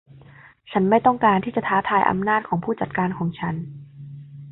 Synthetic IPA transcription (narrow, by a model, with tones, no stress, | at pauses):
t͡ɕʰa˦˥nma˥˩jt̪ɔ˥˩ŋkaː˧nt̪ʰiː˥˩t͡ɕa˨˩t̪ʰaː˦˥t̪ʰaː˧jʔa̰˧mnaː˥˩t̪̚kʰɔː˩˦pʰuː˥˩t͡ɕa˨˩t̪̚kaː˧nkʰɔː˩˦ŋt͡ɕʰa˦˥n